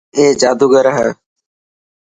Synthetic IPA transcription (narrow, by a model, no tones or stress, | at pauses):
eːd͡ʒaːd̪uːɡəɾəɦə